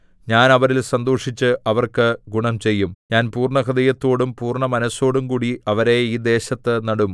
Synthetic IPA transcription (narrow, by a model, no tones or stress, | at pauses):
ɲaːnɐʋɐɾilsɐnd̪oːʂit͡ɕːɨʔɐʋɐrkɨɡuɳɐmt͡ɕe̞jːumɲaːnpuːrɳɐkʰɐd̪ɐjɐt̪ːo̞ːɽumpuːrɳɐmɐnɐso̞ːɽumkuːɽiɐʋɐɾeiːd̪e̞ːɕɐt̪ːɨnɐɽum